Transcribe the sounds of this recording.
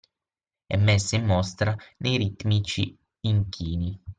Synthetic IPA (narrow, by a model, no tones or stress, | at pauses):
ɛ̰mːɛsːaimːɔst̪ɾanejɾit̪mit͡ʃi | iŋkʰiːni